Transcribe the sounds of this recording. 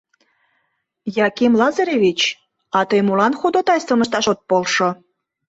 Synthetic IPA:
jɑkimlɑzɑɾʲeβʲit͡ɕ | ɑt̪əjmulɑnxud̪ot̪ɑjsəməʃt̪ɑʃot̪̚polʃo

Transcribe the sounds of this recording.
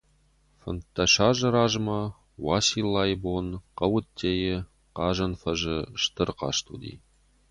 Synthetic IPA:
fə̰̆nt̪ːɑʃɑʒə̆ɾɑʒmɑ | wɑsilˠːɑjbonqɑwut̪ʲːejə | qɑʒɤnfəʒəʃt̪ərqɑ̰ʃt̪ṵd̪ʲḭ

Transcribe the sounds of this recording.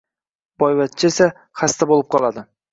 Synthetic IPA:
b̥ɒjwat̪̚t͡ʃʰɪesa | χast̪abolˠɪp̚qʰɒlˠad̪ɪ

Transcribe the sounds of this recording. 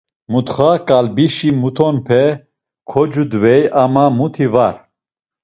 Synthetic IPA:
mut̪χakʼalbiʃimut̪ʰɔnpʰɛ | kʰɔd͡ʒud̪vɛjamamut̪ʰivaɾ

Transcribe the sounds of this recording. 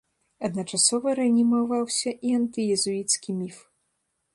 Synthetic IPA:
ɐd̪nɐt͡ʂasɔvɐɾɛɐnʲimavawsʲɐʔiɐnt̪ɨjɛzuit̪skʲimʲif

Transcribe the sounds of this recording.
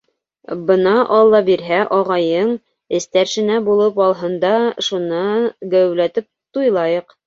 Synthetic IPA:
bɤ̆nɑʔɑlˠːɑbiɾɦæʔɒʁɑjɤɴ | ɘ̆st̪æɾʃɘ̆næbulˠɤpɑlˠɦɤ̆nd̪ɑʃunɑɡæwlæt̪ɘp̚t̪ujlˠɑjɤq

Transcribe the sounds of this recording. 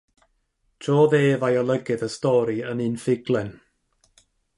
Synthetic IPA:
tʰrɔːðeːvajɔlˠəɡɨðəstɔɾiənɨnfɪɡlˠɛn

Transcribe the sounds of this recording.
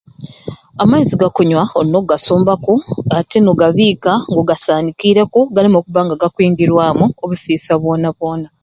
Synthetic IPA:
amaiziɡakoɲwaolinoɡasoːmbakuate̞noɡaβiːkaŋɡoɡasaːnikiːɾe̞kuɡalimokuβaːŋɡaɡakwiːŋɡiɾwaːmuoβusiːsaβwo̞ːnaβwo̞ːna

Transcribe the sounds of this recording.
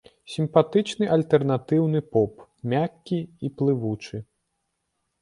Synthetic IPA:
sʲimpat̪ɨt͡ʂnɨʔɐlʲt̪ɛrnat̪ɨwnɨpɔpmʲakʲːiiplˠɨvut͡ʂɨ

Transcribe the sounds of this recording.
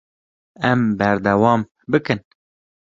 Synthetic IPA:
ɛmbɛɾd̪ɛwɑːm | bɨkɨn

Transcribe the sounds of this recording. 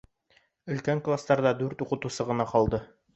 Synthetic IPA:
ɵ̆lkæŋklˠast̪ɑɾd̪ɑd̪ʉɾt̪uqɤ̆t̪usɤʁɤ̆nɑqɒlˠd̪ɤ

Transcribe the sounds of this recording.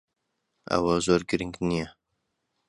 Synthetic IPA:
ɐ̰wɐzoːɾɡɨɾɨŋɡnijɛ

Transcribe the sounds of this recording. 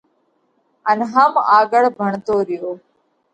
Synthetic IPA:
ənɦəmaːɡəɭbʱəɳt̪oːɾɪjoː

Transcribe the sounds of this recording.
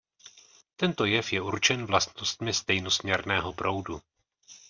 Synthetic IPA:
t̪ɛnt̪o̞jɛfjɛuɾt͡ʃɛnvlast̪nost̪mɪst̪ɛjno̞smɲɛɾnɛːɦo̞pɾo̞wdu

